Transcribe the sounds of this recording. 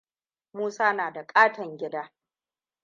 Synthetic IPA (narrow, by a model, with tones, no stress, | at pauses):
muː˦saː˦naː˨da˨kʼaː˦tɐ˨ŋɡʲɪ˦daː˦